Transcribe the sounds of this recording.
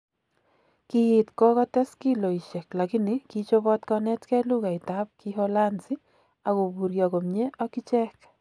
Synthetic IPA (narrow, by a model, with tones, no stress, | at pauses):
kiɪ˨tkɔ˦kɔ˦tɛ˦ski˦lo˨i˨ʃɛ˨kla˨ki˦ni˦kit͡ʃo˦βɔ˦tkɔnɛ˦tkɛ˦lu˦ka˨ɪ˨ta˦p̚kiɦɔla˦nsɪ˦ | a˨ko˨bu˨ɾjɔ˨ko˨mɲe˦ʔɔ˦ki˦t͡ʃɛ˦k